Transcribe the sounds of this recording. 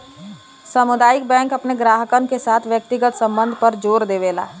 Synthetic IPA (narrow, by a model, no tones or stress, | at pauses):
səmʊd̪aːjɪk̚bɛ̃ːŋkɐpneɡɾaːɦəkənkesaːt̪ʰʋjək̚t̪ɪɡət̪sə̃mbə̃nd̪ʱpəɾd͡ʒoːɾd̪eːʋeːla̰ː